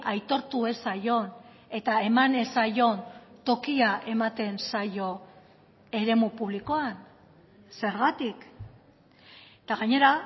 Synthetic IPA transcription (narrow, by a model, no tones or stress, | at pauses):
ʔajt̪o̞ɾt̪ue̞sajo̞n | e̞t̪ae̞mane̞sajo̞nt̪o̞kiaʔe̞mat̪e̞nsajo̞ | e̞ɾe̞mupuβ̞liko̞an | se̞ɾɣat̪ik | t̪aɣaɲe̞ɾa